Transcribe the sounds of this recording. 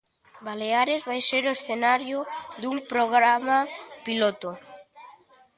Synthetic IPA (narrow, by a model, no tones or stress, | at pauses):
baleaɾezβajseɾoesθenaɾjoðuŋpɾoɣ̞ɾamapilot̪o